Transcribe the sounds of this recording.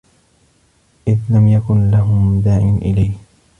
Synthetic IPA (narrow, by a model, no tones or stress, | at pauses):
ʔɪðlamjakʊnlaɦʊmd̪aːʕɪnʔɪ̰lajh